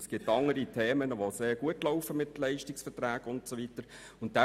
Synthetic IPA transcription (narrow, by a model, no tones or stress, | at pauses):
sɡ̥ɪtːɑŋəɾitʰeːmənəʋoseːɾɡ̥uətlɔʊfəmɪtlɛɪʃtɪksfəɾtɾæːɡ̥ʊntsoʋitəɾ | ʊnt̚d̥æ